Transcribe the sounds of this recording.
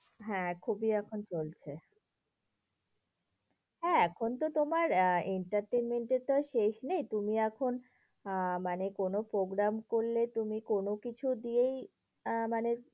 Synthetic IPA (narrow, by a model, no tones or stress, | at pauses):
ɦɛ̃kʰubiɛkʰont͡ɕolt͡ɕʰe | ɦɛ̃ɛkʰont̪ot̪omaɾeɳʈaɾʈenmeɳʈeɾt̪oʃeʃnejt̪umiɛkʰon | manekonopɾoɡɾamkoɾlet̪umikonokit͡ɕʰud̪iej | mane